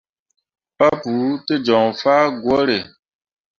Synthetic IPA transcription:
pa˦pu˨˦te˦d͡ʒɔ˨ŋfaː˦ɡwɔ˦ɾe˨

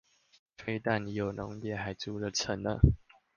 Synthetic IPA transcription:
fe˥ɪt̪a˥˨nni˧˥jo˨˩nʊ̰˧˦ŋjɛ˥˩ha˧˥ɪt͡su˥lə˨t͡sʰə˨˦nnə̰˧˨

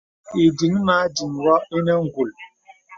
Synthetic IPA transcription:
i˨di˨ŋ̩˦na˨a˦d͡ʒi˨ŋ̩˨wa˦i˦ne˦ŋ̩˦ɡʷu˨l

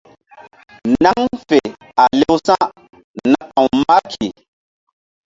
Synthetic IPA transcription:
na˦ŋfe˨ | a˨le˦wsa˦ | na˨˦ʔã˨wma˦kʰi˨

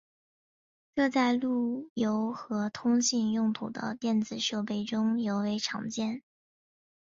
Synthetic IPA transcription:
kɤ˥˧t͡sa˥˧ɪlu˥˩jo˧˥ʊxɤ˧˥t̪ʰʊ˥ŋɕi˥˧njʊ˥˩ŋt̪ʰu˨˩d̪ə̰˦t̪jɛ˥˩nt͡sɹ̩˨˩ʂo˥˧ʊpe˥˩ɪʈ͡ʂʊ˥ŋjo˧˥ʊwe˧˥ɪʈ͡ʂʰɑ̰˨˩ŋt͡ɕjɛ˥˩n

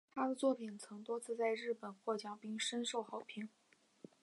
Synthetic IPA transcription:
t̪ʰa˥d̪ə˨t͡swɔ˥˩pʰi˨˩nt͡sʰɤ˧˥ŋt̪wɔ˥t͡sʰɹ̩˥˧t͡sa˥˧ɪɻɻ̩˥˩pə˨˩nxwɔ˥˩t͡ɕjɑ˨˥˩ŋpi˥˩ŋʂə˥nʂo˥˩ʊxɑ˨˧˥ʊpʰi˧˥ŋ

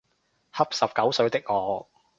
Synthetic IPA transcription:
hɐ˥p̚sɐ˨p̚kɐ˨˥wsɵ˨˧ɥt̪ɪ˥k̚ŋɔː˨˧

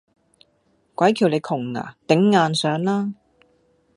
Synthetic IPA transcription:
kʷɐ˨˥jkʰiː˨˩wle˨˧jkʰʊ˨˩ŋːa̰ː˨˩t̪ɪ˨˥ŋːaː˨˧nsœː˨˥ŋlaː˥

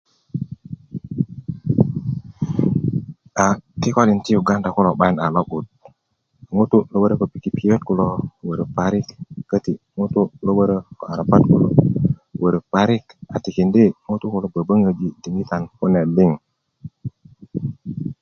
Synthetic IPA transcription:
a˨ki˦ko˦li˨nti˦ju˨ɡa˦nda˨ku˦lo˨ɓa˦jna˨lo˦ɓu˨t̚ | ŋu˦tu˦lo˦ɓə˦ɾə˦ko˨pi˨ki˨pi˨jo˦t̚ku˦lo˦wə˨ɾə˨pa˨ɾi˦kːə˦ti˨ŋu˦tu˦lo˦ɓə˦ɾə˦ko˨a˨ɾa˨pa˦t̚ku˦lo˨wə˨ɾə˨pa˨ɾi˦ka˨ti˨ki˨ndi˦ŋu˦tu˦ku˨lo˨bə˨bə˦ŋə˨d͡ʒi˨di˨ŋɡi˦t̪a˨nku˦ne˨li˦ŋ

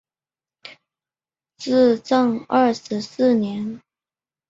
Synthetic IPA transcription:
t͡sɹ̩˥˧ʈ͡ʂɤ˥˧ŋə˥˩ʂɻ̩˧˥sɹ̩˥˩njɛ˧˥n

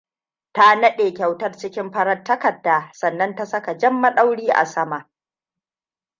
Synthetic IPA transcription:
ta˦nɐ˦ɗeː˨kʲa˨wtɐ˦rt͡ʃɪ˦kʲɪ˦mɸɐ˦ɾɐ˦tːɐ˦kɐ˨dːaː˨sɐ˨nːɐ˦nta˦sɐ˦ka˨d͡ʒɐ˦mːa˦˨ɗa˦wɽiː˦ʔa̰˨sɐ˦ma˨ʔ

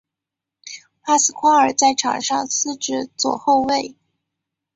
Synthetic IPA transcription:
pa˥sɹ̩˨˥kʰwa˥ə˞˨˩t͡sa˥˩ɪʈ͡ʂʰɑ̰˨˩ŋʂɑ˥˧ŋsɹ̩˥˧ʈ͡ʂɻ̩˥˩t͡swɔ̰˨˩xo˥˧ʊwe˥˩ɪ

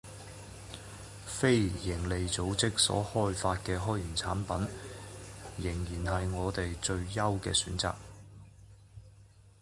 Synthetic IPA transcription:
fe˥jjɪ˨˩ŋle˨jt͡so˨˥wt͡sɪ˥k̚sɔ̰ː˨˥hɔː˥jfaː˧t̚kɛː˧ɦɔː˥jjyː˨˩nt͡sʰa̰ː˨˥npɐ˨˥n | jɪ˨˩ŋjiː˨˩nhɐ˨jŋɔː˨˧t̪e˨jt͡sɵ˧ɥjɐ˥wkɛ̰ː˧syː˨˥nt͡sa̰ː˨k̚

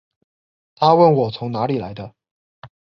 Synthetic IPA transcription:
a˥wə˥˩nwɔ˨˩t͡sʰʊ˧˥ŋna˧˥li˨˩la˧˥ɪd̪ə˧

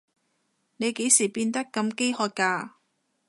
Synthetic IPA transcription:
ne˨˧jke˨˥jsiː˨˩piː˧nt̪ɐ˥kːɐ˧mke˥jhɔː˧t̚kːaː˧

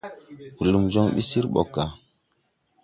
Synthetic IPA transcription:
ku˨lu˨mzɔ˦ŋɓḭ˦si˦ɾɓɔ̰˨ka˨

